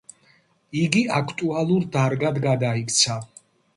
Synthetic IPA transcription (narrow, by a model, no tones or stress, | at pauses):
iɡiakʰt̪ʼualˠuɾd̪aɾɡad̪ɡad̪aikʰʼt̪sʰa